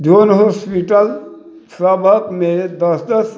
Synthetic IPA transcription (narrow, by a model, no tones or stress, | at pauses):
d͡ʒʱonɦospiʈəl | səbʱəkmed̪əsd̪əs